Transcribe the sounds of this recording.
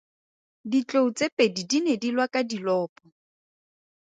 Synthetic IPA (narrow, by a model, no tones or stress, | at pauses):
dit͡ɬʼout͡sʼepʼedidinedilwakʼadilɔːpʼɔ